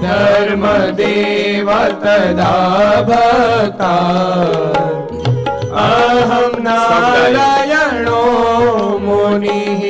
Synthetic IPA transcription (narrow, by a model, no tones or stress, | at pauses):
d̪ʱɐɾmɐd̪eːʋaɾt̪ɐd̪aːbʱɐt̪aː | ɐɦɐmnaːlɐjɐɳoː | moːni